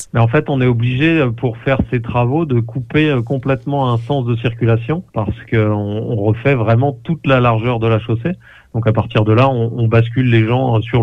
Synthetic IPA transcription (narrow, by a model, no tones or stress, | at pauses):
mɛɑ̃fɛt̪ɔ̃nɛɔbliʒeøpuʁfɛʁset̪χavod̪əkupeøkɔ̃plɛt̪mɑ̃ɛ̃sɑ̃sd̪əsiʁkʲylasjɔ̃paʁsə̥kəɔ̃ɔ̃ʁəfɛvʁɛmɑ̃t̪ut̪lalaʁʒœʁd̪əlaʃose | d̪̥ɔ̃kapaʁt̪iʁd̪əlaɔ̃ːbaskʲylːeʒɑ̃syʁ